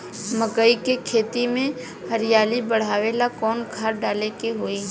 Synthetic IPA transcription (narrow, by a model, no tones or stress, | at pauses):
məkəikekʰeːt̪imẽ | həɾɪjaːlibəɽ̤aːʋeːlakɔːnkʰaːɾɖaːlekeɦoːi